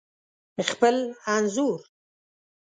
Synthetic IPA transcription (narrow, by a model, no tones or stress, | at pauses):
xpəlanzuɾ